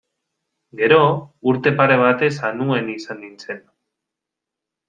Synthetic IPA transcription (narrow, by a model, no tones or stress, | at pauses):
ɡe̞ɾo̞uɾt̪e̞paɾe̞β̞at̪e̞sanue̞nisand̪int͡se̞n